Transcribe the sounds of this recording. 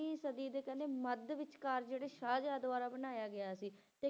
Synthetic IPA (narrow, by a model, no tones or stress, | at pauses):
ĩːsəd̪iːd̪eːkɛneːməd̪ʋɪt͡ʃkaːɾd͡ʒeːɽeːʃaːd͡ʒjaːd̪ʊʋaːɾaːbənaːjaːɡɪaːsiː | t̪eː